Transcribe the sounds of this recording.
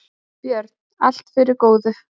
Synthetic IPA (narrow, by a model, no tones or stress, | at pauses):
pjœɾt̪nal̥t̪fɪɾɪɾkoːwðʏ